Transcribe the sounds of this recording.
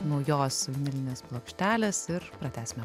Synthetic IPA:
nɐʊjoːsʋʲɪnʲɪlʲɪnʲeːsplˠoːkʃʲt̪ʲæːlʲeːsɪɾpɾɐt̪ʲæːsʲmʲɛ

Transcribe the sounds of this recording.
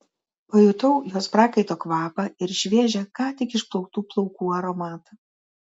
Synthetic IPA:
pɐːjʊt̪ɐʊjoːspɾɑːkɐɪt̪oːkʋɑːpɐɪɾʃʲʋʲeːʒʲɛkɑːt̪ʲɪkɪʃplˠɔʊk̚t̪uːplˠɔʊkuːɐɾɔmɑːt̪ɐ

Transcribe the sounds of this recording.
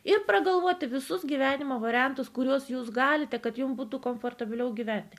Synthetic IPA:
ɪrpɾɐɡɐlˠʋuɔt̪ʲɪʋʲɪsʊsɡʲiːʋʲæːnʲɪmoːʋɐːɾʲɪjɛnt̪ʊskʊɾʲuɔsjuːsɡɑːlʲɪt̪ʲɛkɐt̪jʊmbuːt̪uːkomfoːrt̪ɐbʲɪlʲɛʊɡʲiːʋʲænʲt̪ʲɪ

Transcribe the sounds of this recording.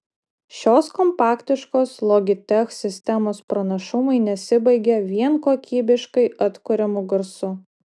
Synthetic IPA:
ʃʲoːskɔmpɑːkt̪ʲɪʃkoːslˠɔɡʲɪt̪ʲɛxsʲɪsʲt̪ʲɛmoːspɾɐnɐʃʊmɐɪnʲɛsʲɪbɐɪɡʲɛʋʲiɛnkoːkʲiːbʲɪʃkɐɪʔɐt̪kʊɾʲɛmʊɡɐɾsʊ

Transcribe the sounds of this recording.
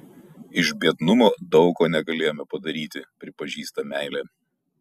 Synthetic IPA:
ɪʒbʲiɛd̪nʊmoːd̪ɒʊkoːnʲɛɡɐlʲeːjoːmʲɛpɐd̪ɐɾʲiːt̪ʲɪpʲɾʲɪpɐʒʲiːst̪ɐmʲæˑɪlʲeː

